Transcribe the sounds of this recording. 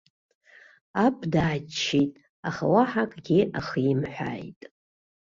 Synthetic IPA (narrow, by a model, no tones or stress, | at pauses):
apʰʼdaːt͡ʃʰːijtʼ | aχawaħakʼɡʲiʔaχimħʷᶣa̰jtʼ